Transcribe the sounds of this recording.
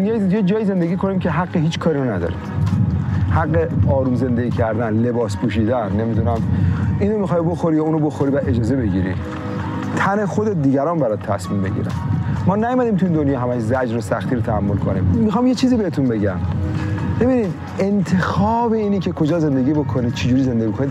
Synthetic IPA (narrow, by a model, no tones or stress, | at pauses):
njejed͡ʒɒːjiːze̞nd̪e̞ɡʲiːkʰo̞nimkʲʰe̞ɦæɡːeɦiːt͡ʃkʰɒːɾiɾonæd̪ɒ̰ɾḭm | hæɡːeɒːɾuːmze̞nd̪e̞ɡiːcʰæɾd̪ænle̞bɒːspuːʃiːd̪ænːe̞mid̪unæmʔiːnomixɒːjboxoɾijuːnobo̞xoɾivæe̞d͡ʒɒːze̞be̞ɟḭɾḭ | t̪ʰæne̞xod̪et̪̚d̪iːɡæɾɒːnbæɾɔd̪̚t̪ʰæsmiːmbe̞ɟḭːɾæ̰nmɒːnæjomæd̪iːmt̪ʰuind̪onjɒːɦæmæʃzæd͡ʒɾosæxt̪iːɾot̪ʰæhæmːolkʰonḭmmixɑːmjet͡ʃʰiːziːbe̞het̪ʰunbe̞ɟæm | b̥e̞biːniːd̪ | e̞nt̪ʰe̞xɒːbe̞iːnicʰe̞kʰo̞d͡ʒɒːze̞nd̪e̞ɡiːbokʰoniːd̪̥t͡ʃʰed͡ʒuːɾize̞nd̪eɟiokonid̪